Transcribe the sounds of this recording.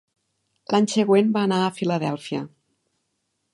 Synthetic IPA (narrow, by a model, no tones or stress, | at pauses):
laɲseɣwenbaːnaəfiləðɛlˠfiə̰